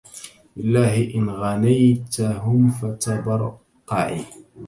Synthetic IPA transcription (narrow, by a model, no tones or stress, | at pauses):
lɪlːaːɦɪʔɪnɣanajt̪aɦʊmfat̪abɑɾˤ | qɑʔḭ